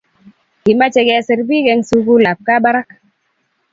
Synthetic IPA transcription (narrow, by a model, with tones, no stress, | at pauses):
ki˨ma˦t͡ʃe˨ɡɛ˨sɛ˨ɾbi˦ɡɛ˧˦ŋsu˦ɡu˦la˨p̚ka˦ba˦ɾa˦k